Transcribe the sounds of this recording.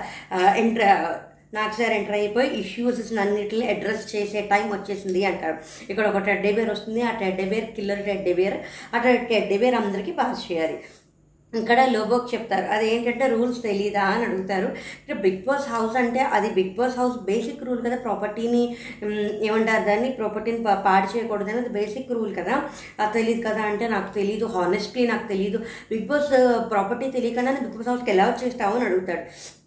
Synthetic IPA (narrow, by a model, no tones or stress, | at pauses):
eɳʈ | naːku̥saːɾeɳʈɐɾnɐjipoːjiʔiʃjuːssnɐnːiʈlniɐɖɾest͡ʃeːseːʈɐjmʋɐt͡ʃːe̞ːsind̪iɐɳʈaːɽɐ | ikːɐɽɐɔkɐʈeɖebeːɾost̪und̪iaːʈeɖebeːɾkiloːɾiʈeɖebeːɾaʈɐʈeɖːebeːɾɐnd̪ɐɾikipaːst͡ʃɛːjaːli | ikːɐɽaːloːboːkt͡ʃep̚t̪aːɾuʔɐd̪ieːmikɐɳʈe̞ːɾuːlst̪e̞liːd̪aːɐnɐɽuɡut̪aːɾuikebiɡ̚boːsɦɐwsɐɳʈe̞ːʔɐd̪ibiɡ̚boːsɦɐwsbeːsikːɾuːlkɐd̪aːpɾɔːpɐɾʈiːni | eːʋɐɳʈaːɾd̪aːnːipɾɔːpɐɾʈiːnipaːʈt͡ʃɛːjɐkɔːɽɐd̪ɐnɐd̪ibeːsikːɾuːlkɐd̪aː | t̪eliːd̪ukɐd̪aːɳʈe̞ːnaːku̥t̪e̞lid̪uɦaːnesʈlinaːku̥t̪e̞lid̪u | biɡ̚boːspɾaːpɐɾʈiːt̪elijɐkɐɳɖaːnibiɡ̚bosɦɐwskɛlaːʋɐt͡ʃɛːst̪aːʋɐniɐɽuɡut̪aːɽu